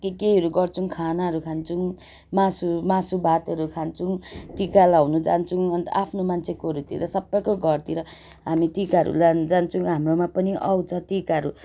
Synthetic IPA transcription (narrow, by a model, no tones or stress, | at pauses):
kekeɦʌɾuɡʌrt͡sʰuŋkʰanaɦʌɾukʰant͡sʰuŋ | masumasubʱat̪ʌɾukʰant͡sʰuŋʈikalawnud͡zant͡sʰuŋʌnt̪ʌ̰ʔapʰnomant͡sʰekoɦʌɾut̪ḭɾʌsʌbːʌjkoɡʱʌrt̪iɾʌ | ɦamiʈikaɾṵland͡zant͡sʰuŋɦamromapʌniʔa̰wt͡sʰʌʈikaɾu